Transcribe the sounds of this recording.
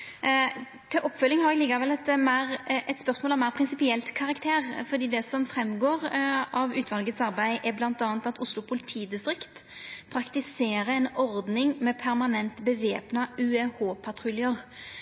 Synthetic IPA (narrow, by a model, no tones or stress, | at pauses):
t̪ʰɪlʔɔpːfœlːɪŋhɑɾɛɡlɪɡːəɾʋɛlɛt̪mæɪɾʔɛt̪spœɾsmoːlɔmːæɪɾpʰɾɪnsɪpɪɛlt̪kʰɑʁɑkt̪ʰeːʁfɔɾd̪iːd̪ɛsɔmfɾɛmːɡoːɾɑʋʉːt̪ʋɑlɡət̪sɑɾbæɪʔɛblɑnt̪ɑːnt̪ɑt̪ʊslʊpʰʊlɪt̪ʰiːd̪ɪst̪ɾɪkt̪ | pʰɾɑkt̪ɪseːɾəɛnɔɾd̪nɪŋmɛpʰæɾmɑnɛnt̪bəʋeːpnəʔʉːɛhoːpʰɑt̪ʰɾʊlɪəʁ